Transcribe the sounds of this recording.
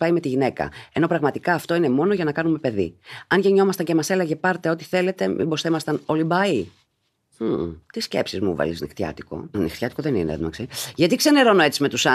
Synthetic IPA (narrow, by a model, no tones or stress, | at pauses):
pɐime̞t̪iʝine̞kɐ̰e̞no̞pɾɐɣmɐt̪ikɐːft̪o̞ine̞mo̞no̞ʝɐnɐkɐnume̞pe̞ðḭɐnʝeɲo̞mɐst̪ɐɲce̞mɐse̞le̞ʝe̞pɐɾt̪eo̞t̪iθe̞le̞t̪e̞mḭbo̞sθemɐst̪ɐno̞libɐi | t̪iscḛpsizmṵvɐ̰lḭznḭxt̪çɐ̰t̪iko̞̰nixt̪çɐt̪i̥koðe̞nḭnḛd̪mɐ̰ksiʝɐt̪iksene̞ɾo̞noe̞t͡sime̞t̪usɐ